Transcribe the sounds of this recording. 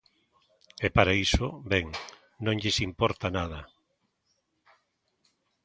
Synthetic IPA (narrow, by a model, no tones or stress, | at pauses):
epaɾaisobɛŋ | nõŋʎesimpɔɾt̪anað̞ɐ